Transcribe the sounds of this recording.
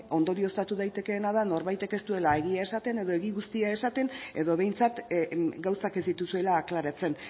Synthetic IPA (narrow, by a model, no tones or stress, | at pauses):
o̞nd̪o̞ɾio̞st̪at̪uðajt̪e̞ke̞ːnaðano̞ɾβajt̪e̞ke̞st̪ue̞lae̞ɣiae̞sat̪e̞neðo̞e̞ɣiɣust̪iae̞sat̪e̞ne̞ðo̞β̞e̞jnt͡sat̪ɡawsakezd̪it̪usue̞laːklaɾat͡se̞n